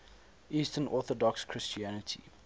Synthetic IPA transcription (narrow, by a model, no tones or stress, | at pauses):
ʔiːstənʔɔːˑθɔdɔkskʰɹɪst͡ʃiænətʰḭ